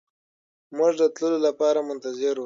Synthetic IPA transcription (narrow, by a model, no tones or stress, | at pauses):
muʐd̪ət̪ləlolapɑɾamʊnt̪azɪɾ